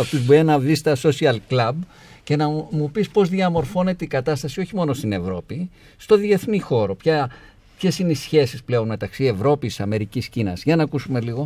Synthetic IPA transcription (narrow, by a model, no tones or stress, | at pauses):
ɐt̪izboinɐðist̪ɐso̞siɐlklɐb | ce̞nɐmupispo̞zðiɐmo̞ɾfo̞ne̞t̪eikɐt̪ɐst̪ɐsio̞çimo̞no̞st̪ine̞vɾo̞pi | st̪oðie̞θnixo̞ɾo̞pçɐ | pçe̞sineisçe̞sisple̞o̞nme̞t̪ɐksie̞vɾo̞pissɐme̞ɾiciscinɐ̰zʝɐnɐkusume̞liɣo̞